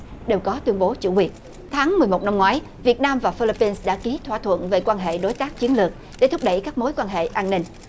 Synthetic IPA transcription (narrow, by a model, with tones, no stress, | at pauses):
ɗe˨˩wkɔ˨˦t̪wi˧əŋɓo˨˦t͡ɕṵ˧˩kwi˨˩ət̚ | t̪ʰaː˨˦ŋmɨ˨˩jmo˨˩t̚na˧mŋwaː˨˦j | vi˨˩ət̚naː˧mvaː˨˩fi˧li˧pːi˧nsɗa̰ː˧˥ki˨˦t̪ʰwa̰˧˨t̪ʰwə̰˧˨nve˨˩kwaː˧nɦḛ˧˨ɗo˨˦jt̪aː˦˥k̚t͡ɕi˨˦ənlɨ˨˩ək̚ | ɗe˧˩t̪ʰʊ˦˥k͡p̚ɗə̰˧˩jkaː˦˥k̚mo˨˦jkwaː˧nɦḛ˧˨ʔaː˧nnï˧ŋ̟